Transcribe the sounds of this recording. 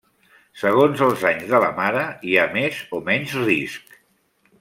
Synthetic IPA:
səɣ̞onzəlˠzaɲzðələ̰maɾəiamezomɛɲzrisk

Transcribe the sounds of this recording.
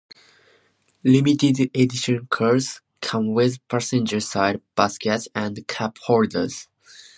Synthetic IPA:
limitɪdediʃə̃nkʰɜɹs | kʰʌ̃mwɪðpʰæsɛ̃nd͡ʒə˞saɪd̚b̥askɛtsæ̃ndkʰaphɔɹdə̰˞z̥

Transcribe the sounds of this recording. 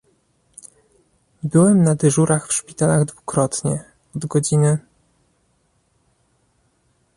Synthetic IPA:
bɘwɛmnad̪ɘʐuɾaxfʂpʲit̪alaɣd̪vukɾɔt̪ɲɛ | ɔd̪ɡɔd͡ʑinɘ

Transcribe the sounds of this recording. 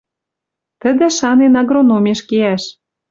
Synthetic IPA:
t̪ə̆d̪ə̆ʃɑnenɑɣronomʲeʃkeæʃ

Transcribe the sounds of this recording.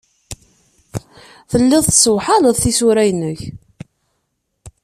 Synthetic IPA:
θəlːɪðˤθsəwħɑləðˤθisuɾæjnəç

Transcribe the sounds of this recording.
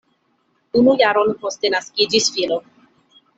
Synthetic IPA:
unujaɾonpostenaskid͡ʒisfilo

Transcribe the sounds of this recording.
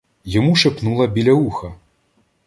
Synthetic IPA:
jamuʂɨpnulˠɐbʲilʲauxɐ

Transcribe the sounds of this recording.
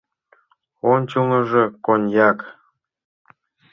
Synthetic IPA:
onʲt͡ɕuŋɤ̆ʐĕkonʲjɑk

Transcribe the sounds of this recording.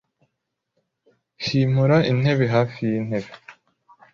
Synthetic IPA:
ʃiːmuɾaʔin̥e̞βeɦaːfijinhe̞βe

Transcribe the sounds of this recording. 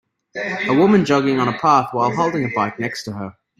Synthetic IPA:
əwʊmə̃nd͡ʒʌɡɪ̃ŋə̃ñəpʰɑˑθwaɪlˠɦoʊlˠdɪ̃ŋəbaɪk̚nɛkstʰəə

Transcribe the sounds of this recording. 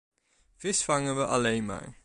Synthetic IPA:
v̥ɪsfɑŋənʋəʔɑlejnma̰ːɹ

